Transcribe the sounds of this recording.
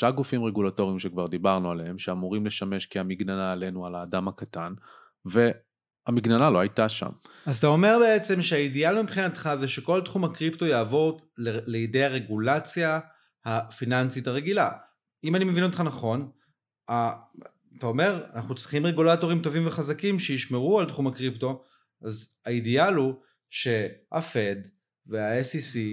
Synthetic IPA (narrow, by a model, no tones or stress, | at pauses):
ʃaɡufimʁeɡulato̞ʁimʃekvaʁd̪ibaʁnualehemʃeamuʁimle̞ʃame̞ʃkiamiɡnanaːle̞nualaːdamakatan | ve̞ | amiɡnanaloajtaʃa̰m | aztao̞me̞ʁbe̞et͡se̞mʃeaidialmipχinat̪χazeʃe̞koltχumhakʁipto̞jaːvo̞ʁ | leleidejaʁe̞ɡulat͡sja | hafinansitaʁe̞ɡila̰ | imanimevino̞t̪χanaχo̞n | a | tao̞me̞ʁa̰naχnut͡sʁiχimʁeɡulato̞ʁimto̞vimve̞χazakimʃejiʃmeʁualtχumakʁipto̞ | az | aidialu | ʃe̞a̰fe̞d | veaesisi